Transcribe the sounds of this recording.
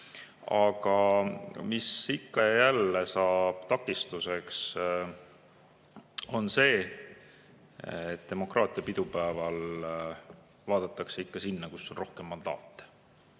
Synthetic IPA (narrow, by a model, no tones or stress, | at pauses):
ɑɡɑmisikːɑjejælːesɑːb̥t̪ɑkːˑist̪use̞ks | o̞nse̞ː | et̪ːd̪e̞mo̞krʔɑːt̪ˑijɑpid̪̥upæevɑl | vɑːd̪̥ɑt̪ːˑɑkseikːɑsinːɑkusːo̞nro̞hke̞mːɑnd̪̥ɑ̰ːt̪ːˑ